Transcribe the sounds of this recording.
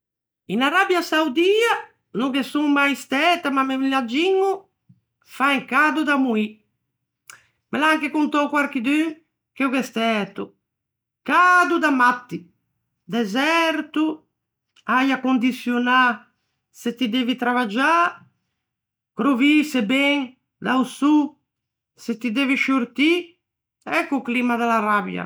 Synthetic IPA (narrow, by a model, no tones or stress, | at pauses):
inaɾabjasawd̪iːa | nukesuŋmajst̪ɛːt̪amamemilad͡ʒiŋːu | faiŋkaːd̪ud̪amui | melaŋkekunt̪ɔwkwaɾk̟id̪y | k̟eukɛst̪ɛt̪u | kad̪ud̪amat̪ːi | d̪ɛzɛɾt̪u | ajakond̪it̪sjona | set̪id̪eːvit̪ɾavad͡ʒa | kɾovisebɛŋ | d̪ausu | set̪ːid̪eːviʃuɾt̪i | ɛkːuklimad̪ɛlarabja̰